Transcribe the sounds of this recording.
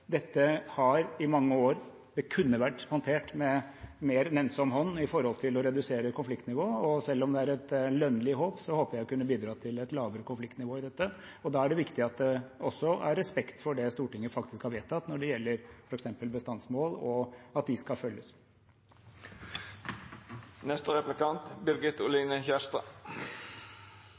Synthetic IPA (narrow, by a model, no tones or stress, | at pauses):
d̪ɛt̪ːəhɑɾɪmɑŋːəoːɾ | d̪ɛkʰʉnːəʋæʈːhɔnt̪ʰeːʈmɛmeːɾnɛnsɔmɦɔnːɪfɔɾhɔlt̪ʰɪlɔɾɛd̪ʉseːɾəkʰʊnflɪkt̪nɪʋoːɔsɛlːɔmd̪ɛæɾɛt̪lœnːəlɪɦoːpsɔhoːpəjæɪɔkʉnːəbiːd̪ɾɑːt̪ʰɪlɛt̪lɑːʋəɾəkʊnflɪkt̪nɪʋoːɪd̪ɛt̪ːə | ɔd̪ɑːæɖɛʋɪkt̪ɪɑt̪̚d̪ɛɔsːɔæɾːɛspɛkt̪fɔɖɛst̪uːʈɪŋːəfɑkt̪ɪskhɑɾʋeːt̪ʰːɑt̪nɔɖɛjɛlːəɾfɔɾɛksɛmpəlbəst̪ɑnsmoːlɔɑt̪̚d̪ɪskɑfœljəs | nɛst̪əʁɛplɪkɑnt̪bɪɾɡɪt̪ʊlinəçæst̪ɑ